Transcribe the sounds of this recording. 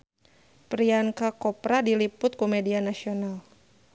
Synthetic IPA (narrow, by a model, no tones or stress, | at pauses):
pɾiankakɔpɾadilipʊt̪̚kumɛdianasional